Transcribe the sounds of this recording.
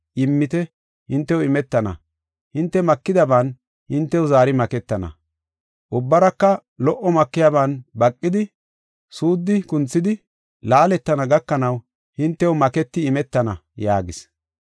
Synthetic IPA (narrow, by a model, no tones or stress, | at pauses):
ʔɪmːɪt̪ɛ | hɪnt̪ːɛwɪmɛt̪ːɐnɐ̰ | hɪnt̪ːɛmɐkːɪd̪ɐban | hɪnt̪ːɛwʊzaːɾɪmɐkɛt̪ːɐnɐ̰ | ʔʊbːɐɾɐkːɐ | lɔʔɔmɐkːɪjabɐnbɐkʼːɪd̪ɪ | suːd̪ːɪkʊnt͡sːɪd̪ɪ | laːlɛt̪ːɐnɐɡɐkːɐnɐw | hɪnt̪ːɛwmɐkɛt̪ːɪːmɛt̪ːɐnɐjaːɡɪs